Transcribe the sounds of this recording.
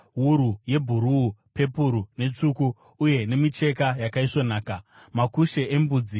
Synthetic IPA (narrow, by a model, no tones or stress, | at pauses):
ɦuɾuje̞bʱuɾuːpe̞puɾune̞t͡ʂukuː | je̞ne̞mit͡ʃe̞kajakaiʂo̞naːka | makuʃe̞ʔembuːd͡zi